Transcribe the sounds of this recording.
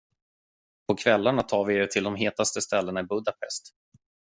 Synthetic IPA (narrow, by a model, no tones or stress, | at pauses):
pʰɔkʰvɛlːaɳat̪ʰɑːɾvɪɛt̪ʰɪld̪ɔmɦeːt̪ast̪əst̪ɛlːənaɪbɵd̪apʰɛ̰st̪